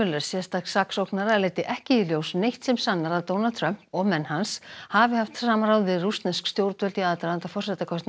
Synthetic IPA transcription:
ʏlœɾ̥sjɛst̪aksaksowknaɾalejt̪ɪʔɛhcɪiljowsnejht̪sɛmsanːaɾaðt̪ownalt̪ʰɾœm̥pɔɣmɛnːhanshavɪhaft̪aːmaɾawðɪðrust̪nɛskst̪jowɾt̪œlt̪iaðt̪aɾant̪afɔr̥sɛt̪akʰɔst̪n

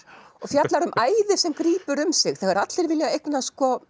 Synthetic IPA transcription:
ɔɣfjat̪laɾʏmʔaːjðɪsɛmkɾiːpʏɾʏmsɪxθɛɣɛɾat̪lɛɾvɪljaejknaskɔ

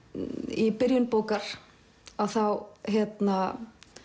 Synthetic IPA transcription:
ipɪɾjʏnpoːwkaɾ̥ | aðθawçɛt̪na

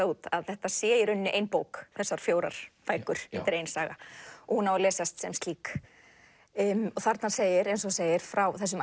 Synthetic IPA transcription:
uːt̪a̰ðθɛht̪asjɛːjɪɾʏnːɪʔejnpoːwkθɛsːaɾ̥fjoːwɾa̰ɾ̥pajkʏɾ̥ɛt̪ɪɾejnsaːɣaɔhunawalɛːsast̪sɛmst̪liːk | ɔθaɾt̪naseːjɪɾejnsɔseːjɪɾ̥fɾawθɛs̬ʏm

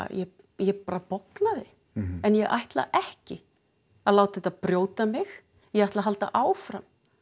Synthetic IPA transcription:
jɛ | jɛpaːɾapowknaðɪ | ɛnjɛɣʔa̰jht̪la̰ʔɛhcɪ | aðlawt̪ɛt̪apɾjoːwt̪amɪx | jɛɣajht̪laɦalt̪a̰ʔaːwfɾam

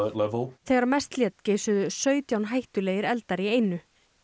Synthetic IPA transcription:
lɛvəlθeɣaɾmɛst̪ljɛt̪ceːsʏðʏsœːɥt̪jawnɦajht̪ʏleːjɪɾɛlt̪aɾiejnʏ

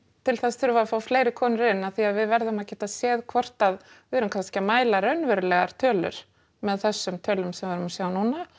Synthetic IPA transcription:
t̪ʰɪlθɛsθʏɾvafaːwfleːjɾɪkʰɔːnʏɾɪnːaðθiaðvɪðvɛɾðʏmaðcɛːt̪aðsjɛːðkʰvɔr̥t̪að | vɪɛɾʏmkʰanscɪmaːjlaɾœɥnvɛɾʏlɛɣaɾ̥t̪ʰœːlʏ̰ɾ̥ | mɛðθɛsːʏmt̪ʰœːlʏmsɛmvaɾʏmasjaːwnuːna

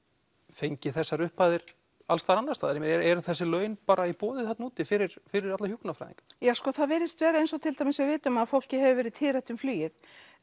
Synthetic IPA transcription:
fejɲcɪθɛsːaɾʏhpaːðɪɾ̥ | alst̪aɾanːast̪aːðaɾɪmɪɾɛɾɛɾʏθɛsːɪlœːɥnpaːɾaipɔːðɪθat̪nuːt̪ɪfɪɾɪɾ̥fɪɾɪɾat̪lahjuknafɾa̰jðḭŋkjaːskɔθaðvɛːɾɪst̪vɛːɾaejnsɔwt̪ʰɪlt̪ajmɪsɪvɪːt̪ʏmaðfowl̥cɪɦɛvɪvɛːɾɪðt̪ʰɪðɾaht̪ʏmflyːjɪð

